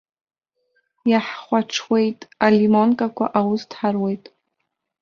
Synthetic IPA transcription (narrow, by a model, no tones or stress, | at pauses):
jaħχʷaʈ͡ʂʰwe̞jtʼalimonkʼakʷʰaʔawʊstʰħarwe̞jtʼ